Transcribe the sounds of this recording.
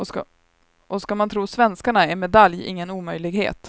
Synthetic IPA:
ɔ | ʔɔskamant̪ʰɾuːsvɛnskaɳaɛnmɛd̪aljɪ̰ŋːənuːmœjlɪɡhḛːt̪

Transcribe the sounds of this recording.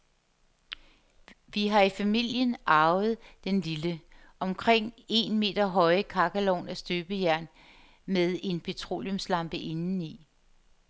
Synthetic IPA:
ʋiɦɑ̈ifæmil̰jənɑ̈ʊð̞̩ˠd̥enlilə | ʔɒ̽mkʰʁeŋ̰e̝nme̝̰ːd̥ɐɦɒ̽ɪəkʰɑ̈ɡ̥ælɔ̰ːnæsd̥øːb̥əjæɐ̰n | meðˠe̝npʰe̝t͡sʰʁo̝̰ːljomslɑ̈mb̥əʔe̝nn̩i

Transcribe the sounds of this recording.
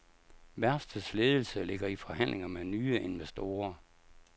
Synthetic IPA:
ʋæɐsd̥əsleːð̞ˠl̩səle̝ɡ̥ɐifɒ̽hæn̰lʔeŋɐmenyːəe̝nʋesd̥o̝ːɐ

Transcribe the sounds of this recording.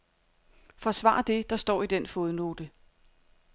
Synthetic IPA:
fɒ̽sʋɑ̰̈ɐd̥e̝d̥ɑ̈sd̥ɒ̰ːid̥en̰fo̝ð̞ˠno̝ːd̥ə

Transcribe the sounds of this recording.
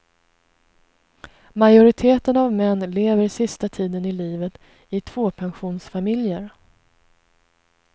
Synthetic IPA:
majʊɾɪt̪ʰeːt̪ənavmɛnːleːvəɾsɪst̪at̪ʰiːd̪ənɪliːvət̪ | ɪt̪ʰv̥oːpʰɛnɧuːnsfamɪljəɾ

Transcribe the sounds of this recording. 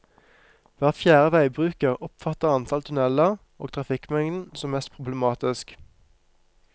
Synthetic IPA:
ʋæːʁfjæːʁəʋæɪbʁʉːkəʁɔpfɑt̪əʁɑnt̪ʰɑlt̪ʰʉnɛlə | o̰ːɡt̪ʰʁɑfɪkmɛŋd̪n̩sɔmːɛst̪̚pʰʁʊbləmɑːt̪ɪsk

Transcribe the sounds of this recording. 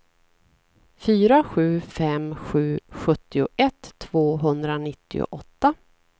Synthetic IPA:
fyːɾaɧʉ̟ːfɛmɧʉ̟ːɧɵt̪ːɪʊʔɛt̪ʰːvoːɦɵnd̪ɾanɪt̪ːɪ̰ʊ̰ʔɔt̪ːa

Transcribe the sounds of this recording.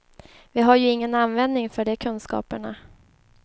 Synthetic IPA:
vɪɦaɾjɵɪŋːənanvɛnd̪nɪŋfœɖɛkʰɵnskɑ̰ːpəɳa

